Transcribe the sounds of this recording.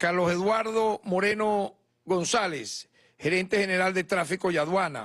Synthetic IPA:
kaɾlose̞ðwaɾðomo̞ɾeno | ɣo̞nsales | xe̞ɾe̞nt̪e̞xeneɾald̪et̪ɾafiko̞jaðwana̰

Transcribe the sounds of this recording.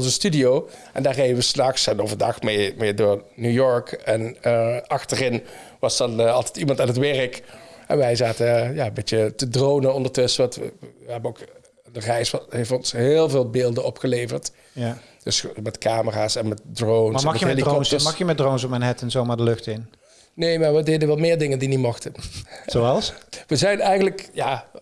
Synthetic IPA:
ɔnzəstydijowʔɛndaːɹɣejdəʋəsnɑxsɛnovədɑxmemɪːɹdʊːɹnujɔɹkɛnəɑxtərɪn | ʋɑsdɑnɑlˠtɛtimɑntaːnɦətʋɛrəkʔɛ̰nʋɛjzaːtəjaːəmbeətədrownənɔndəɹtɵsəʋɑntə̰ʋəɦɛbənok | dərɛjsɦeftɔnsɦɪːlˠvɪːlˠbɪːlˠdənɔpxəlejvəɹt | j | d̥əsmɛtkaːməraːsɛnmɛt̚drownmsnɑxməhlikɔɑxjəmɛdrowns̬ɔp̚mɛjnɦɛtənzowmaːɹdəlɵxtɪn | nejmaːɹʋədejdənʋɛlmɪːɹdɪŋəndinimɔxtənzoɑlˠsʋəzɛjnɛjɣənləkjaː

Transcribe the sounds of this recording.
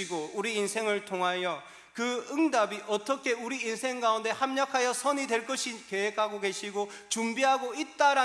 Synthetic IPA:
iɡouɾiːnsʰe̞ŋɯɭtʰoŋɦajʌ | kɯɯŋdabiʔʌt͈ʌkʰe̞uɾiinsʰe̞ŋɡaunde̞hamɲʌkʰajʌsʰʌɲidwe̞ɭk͈ʌɕʰike̞wek̚ʰaɡoke̞ɕʰiɡot͡ɕumbiɦaɡoit̚t͈aɾa

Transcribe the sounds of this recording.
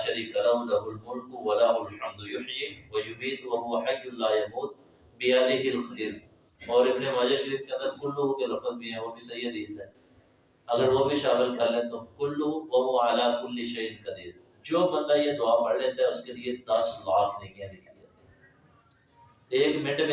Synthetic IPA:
ʃɐɾiːkalɐɦʊlɐɦʊlmʊlkʊwɐlɐɦʊlħɐmd̪jʊħjiwɐjʊɦiːt̪wɐɦʊwɐħajːʊlaːjɐmuːt̪̚ | bɪjɐd̪ɪɦɪlxiːɾ | ɔːɾɪbnemaːd͡ʒaʃɐɾiːfkeɐ̃nd̪əɾkʊlːoːɡõkelɐfəzbʱiɦɛ̃ʋobʱisɐjːəd̪iːzɛ̃ | ɐɡəɾʋobʱiʃaːmɪlkɐɾlet̪okʊlːʊwɐɦoʕalaːkʊlːɪʃɐjɪnkɐd̪iːɾ | d͡ʒoːbɐnd̪ajed̪ʊaːpɐɽlet̪aɦɛʊskelied̪ɐslaːknɐ̃ɦĩɛ̃nɪkʰat̪ | eːkmɛ̃ɳʈme

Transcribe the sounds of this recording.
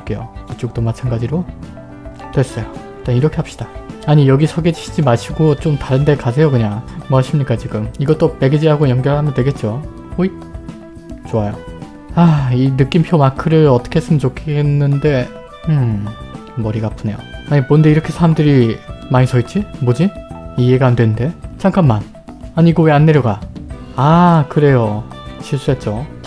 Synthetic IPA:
k͈e̞jo̰kit͡ɕ͈ok̚t͈omat͡ɕʰanɡad͡ʑiɾo | twes͈ʌjoit͈aniɾʌkʰe̞apɕ͈i̥d̥aaɲijʌɡisʰʌɡe̞d͡ʑuɕʰid͡ʑimaɭɕʰiɡot͡ɕomtaɾɯnde̞kasʰe̞jokɯɲamoaɕʰimɲik͈at͡ɕiɡɯmiɡʌt͈ope̞ɡed͡ʑiɦaɡojʌŋɡjʌɭɦamjʌntwe̞ɡe̞t̚t͡ɕ͈o | oi | t͡ɕoajo | ainɯk͈impʰjomakʰɯɾɯɭʌt͈ʌ̥kʰe̞ɦes͈ɯmjʌnt͡ɕokʰeɦenːɯnde̞ | ɯ | mʌɾiɡapʰɯne̞jo̰aɲibonnde̞iɾʌkʰe̞sʰaɾamdɯɾimaɲisʰʌit̚t͡ɕ͈imod͡ʑiije̞ɡandwe̞nnde̞t͡ɕʰaŋk͈ʰamːan | aɲiɡoweanːe̞ɾjʌɡa | akɯɾe̞jot͡ɕʰiɭs͈uɦat̚t͡ɕ͈o

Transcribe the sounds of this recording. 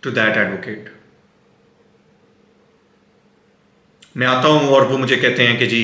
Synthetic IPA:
ʈud̪ɛʈæːɖʋokeːʈ | mɛ̃ːaːt̪aɦũːɔːɾʋoːmʊd͡ʒʱekɛːt̪eɦɛ̃ːked͡ʒiː

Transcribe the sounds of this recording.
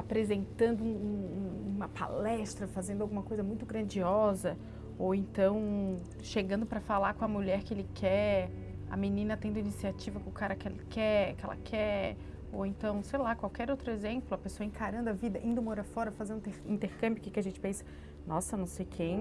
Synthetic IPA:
apɾezẽnt̪ɐ̃nd̪ʊũũũmɐpa̰lɛst̪ɾɐfazẽnd̪ʊawɡũmɐkojzɐmũj̃t̪ʊɡɾɐ̃d͡ʒiɔzɐ | owẽnt̪ɐ̃w̃ | ʃeɡɐ̃nd̪ʊpɾɐfalaɾkõɐmuʎɛɾkɪelɪkʰɛ | ɐ̰minĩnɐt̪ẽnd̪ʊinisiat͡ʃivɐkõʊkaɾɐklɪkʰɛkɪɛlɐ̰kʰɛɾ | owẽnt̪ɐ̃w̃sejlakwawkɛɾowt̪ɾʊezẽmplʊɐpesoɐẽkaɾɐ̃nd̪ʊɐvid̪ɐʔĩnd̪ʊmɔɾɐfɔɾɐfazẽd̪eĩnt̪eɾkɐ̃mbjʊkikɪɐʒẽnt͡ʃɪ̥pẽsɐ̥ | nɔsɐnɐ̃w̃sejkʰẽj̃

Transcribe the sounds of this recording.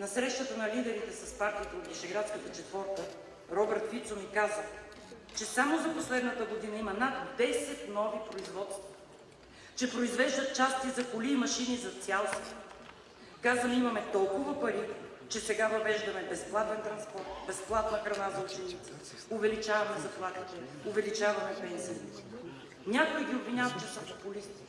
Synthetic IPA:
nɐsɾɛʃt̪ət̪ənɐlid̪ɛɾit̪ɛsɐspaɾt̪iət̪ɐnviʃɛɡɾat̪skət̪ɐt͡ʃɛt̪vɔɾt̪ə | ɾɔbɛɾt̪fit̪somikazə | t͡ʃɛsamozɐposlɛd̪nət̪əɡod̪inɐimɐnat̪d̪ɛsɛt̪nɔvipɾoizvɔt̪st̪və | t͡ʃɛpɾoizvɛʒd̪ət̪̚t͡ʃast̪izɐkʊlimɐʃinizɐt̪sʲalˠst̪v | kazɐnimɐmɛt̪ɔlˠkʊvɐpɐɾi | t͡ʃɛsɛɡavɐvɛʒd̪ɐmɛbɛsplˠat̪ɛnt̪ɾɐnspɔɾt̪bɛsplˠat̪nəxɾɐnazɐut͡ʃɛnit̪si | ʊvɛlit͡ʃavɐmɛzɐplˠat̪it̪ɛ | ʊvɛlit͡ʃavɐmɛpɛnsiə | nʲakoɛɡʲiobvinʲavɐt̪̚t͡ʃɛsəpopʊlist̪i̥

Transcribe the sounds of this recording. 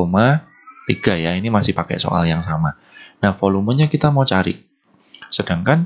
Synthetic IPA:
oma | t̪iɡ̥a̤jainimasɪhpakɛ̰ʔso̰ʔa̰ljaŋsama | nahfolumuɲakit̪amawt͡ʃaɾɪ̰ | səd̥aŋkan

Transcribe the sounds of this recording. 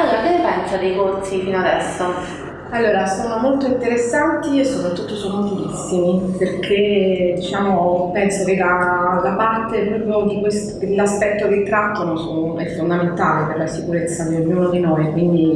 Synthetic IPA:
alːoːɾakenːepɛnsad̪eikorsifinoad̪ɛsːo | alːoːɾasoːnomolt̪oint̪eɾesːant̪iesːopɾat̪ːut̪ːosoːnofulisːimiperkʰed̪it͡ʃaːmopɛnsokelalapart̪elubod̪ikwest̪lːaspɛt̪ːoket̪ːɾat̪ːonoso | ɛfːond̪ament̪aːleperlasikuɾet̪sːad̪eoɲːuːnod̪inojkwind̪i

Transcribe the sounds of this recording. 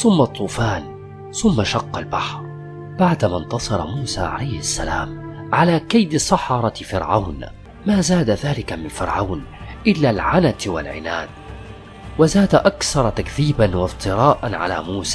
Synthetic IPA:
θʊmːat̪ˤːuːfaːn | θʊmːaʃɑqːɑlbaħɾˤ | baʕd̪amant̪ɑsˤɑɾˤɑ̰muːsa̰ːʕa̰lajhasːalaːmʕalaːkajd̪ɪsˤɑħɑɾˤɑfɪɾʕawn | maːzaːd̪aðaːlɪkamɪnfɪɾʕawn | ʔɪlːaːlʕanat̪wa̰lʕɪ̰naːd̪ | wazaːd̪aʔakθɑɾˤɑt̪akθiːbanwɑft̪ˤɨɾɑːʔanʕa̰la̰ːmuːsaː

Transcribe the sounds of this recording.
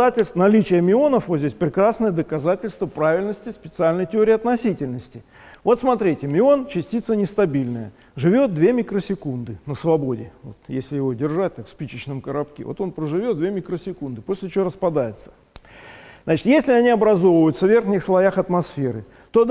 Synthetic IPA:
atʲɪlʲsnɐlʲit͡ɕɪjəmʲɪo̞nəfvot̪zʲdʲesʲpɾʲɪkɾasnəjəd̪əkɐzatʲɪlʲst̪vəpɾavʲɪlʲnəsʲtʲɪspʲɪt̪sɨalʲnəjtʲɪo̞ɾʲɪːɐt̪nɐsʲitʲɪlʲnəsʲtʲɪ | vo̞t̪smɐt̪ɾʲitʲɪmʲɪo̞nt͡ɕɪsʲtʲit̪sənʲɪst̪ɐbʲilʲnəjə̰ | ʐɨvʲo̞t̪̚d̪vʲe̞mʲikɾəsʲɪkund̪ɨnəsvɐbo̞dʲɪvo̞̰t̪jesʲlʲɪjɪvo̞dʲɪrʐat̚ʲt̪akfspʲit͡ɕɪt͡ɕnəmkəɾɐpkʲḛvo̞̰t̪o̞npɾəʐɨvʲo̞t̪d̪vʲemʲɪkɾəsʲɪkund̪ɨpo̞sʲlʲɪt͡ɕɪvoɾəspɐd̪ajɪt̪sə̥ | znat͡ɕɪ̥t̪jesʲlʲɪɐnʲiɐbɾɐzo̞vəəjʊt̪səvʲe̞rxnʲɪxslˠɐjaxɐt̪mɐsfʲeɾɨ | t̪o̞d̪

